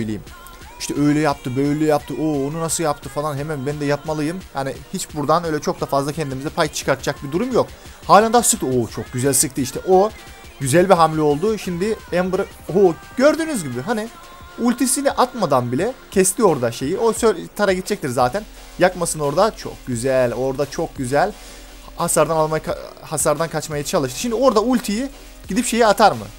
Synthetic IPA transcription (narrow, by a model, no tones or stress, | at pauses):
øjlʲejim | iʃt̪ʰɛøjlʲɛjap̚t̪ʰɯbø̞jlʲɛjap̚t̪ʰɯʔoːonunasɯjapt̪ʰɯfalˠanɦemænbænd̪ɛjapmalˠɯjɯmjaːnihit͡ʃbuɾd̪anø̞jlʲɛt͡ʃʰo̞k̚d̪afazlˠacʰɛnd̪imizɛpʰajt͡ʃʰɯ̥kʰaɾt̪ʰɯ̥d͡ʒak̚bid̪uɾumjok | haːlʲand̪asɯkt̪ɯoːt͡ʃʰok̚ɟyzælʲsɯk̚t̪ʰɯiʃt̪ʰɛʔo̞ | ɟyzælʲbiɦamlʲio̞lˠd̪uʃimd̪ɪænbɯɾ | oː | ɟ̥ø̞ɾd̪yːnyzʲɟibɪɦani | ulʲt̪ʰisiniʔat̪mad̪anbilʲɛcʰɛst̪ʰio̞ɾd̪aʃe̞jiʔosøt̪ʰaɾaɡit̪̚ʰd͡ʒɛc̚t̪ʰiɾzaːt̪ʰæn | jakmasɯno̞ɾd̪at͡ʃʰo̞̰k̚ɟyzælʲo̞ɾd̪at͡ʃʰo̞k̚ɟyzælʲ | hasaɾd̪analˠmajakahasaɾd̪ankʰat͡ʃmajat͡ʃʰalˠɯʃ̬t̪ɯ̥ʃimd̪io̞ɾd̪aulʲt̪ʰiji | ɟ̥id̪ipʃe̞jiat̪ʰaɾmɯ̰